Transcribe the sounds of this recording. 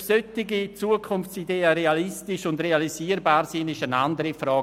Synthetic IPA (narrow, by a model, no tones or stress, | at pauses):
søtiɡit͡suəkʰʊnft͡sideːəɾealistɪʃʊndrealiziːəɾbaːɾsinɪʃənandəɾifɾɔː